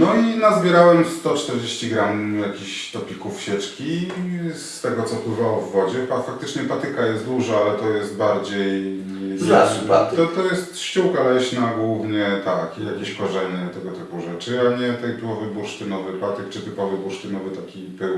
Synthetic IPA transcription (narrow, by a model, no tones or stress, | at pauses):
nɔinazbʲjɛɾawɛmst̪ɔt͡ʂt̪ɛɾd͡ʑeɕt͡ɕiɡɾamjakʲiɕt̪ɔpʲikufɕɛt͡ʂkʲist̪ɛɡɔt̪sɔfpwɘvawɔvːɔd͡ʑɛafak̚t̪ɘt͡ʂɲɛpat̪ɘkajɛst̪d̪uʐaalɛt̪ɔjɛst̪̚baɾd͡ʑej | aʂat̪ɔt̪ɔjɛst̪ɕt͡ɕukalɛɕnaɡwuvɲɛt̪akijakʲeɕkɔʐɛɲɛt̪ɛɡɔt̪ɘpuʐɛt͡ʂɘaɲɛt̪ɛt̪ɘpɔvɘbuʂt̪ɘnɔvɘpat̪ɘk̚t͡ʂɘt̪ɘpɔvɘbuʂt̪ɘnɔvɘt̪akʲipɘw